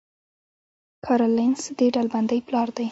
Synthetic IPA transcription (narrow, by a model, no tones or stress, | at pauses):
kʰɑɾolansd̪eɖalband̪ajplɑɾd̪aj